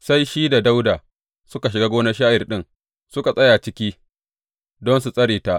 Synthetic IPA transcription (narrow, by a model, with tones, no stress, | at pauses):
sa˦jʃiː˦da˨da˦wda˨ | sʊ˦ka˨ʃ̬ɪ˨ɡaː˦ɡʷoː˦na˦ʃaː˦ʔɪ˨rɗɪ˦ŋ | sʊ˦ka˨sʼɐ˦jaː˨t͡ʃɪ˦kʲiː˦ | dɔ˦nsu˨sʼɐ˦ɾiː˨ta˨ʔ